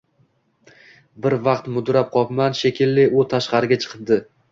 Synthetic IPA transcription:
bɪɾvɑqt̪mʊd̪ɾap̚qʰɒpmanʃekʲʰɪlːɪʔʊt̪ʰaʃqɑɾɪɡʲat͡ʃʰɨ̥qʰɨp̚d̪ɪ

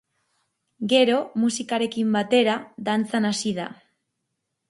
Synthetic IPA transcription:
ɡe̞ɾo̞musikaɾe̞kimbat̪e̞ɾaðant͡sanasiða

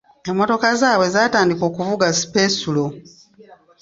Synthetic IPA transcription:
emːo̞to̞kazaːwe̞zataːndiko̞ːkuvuɡasi̥pe̞sulo

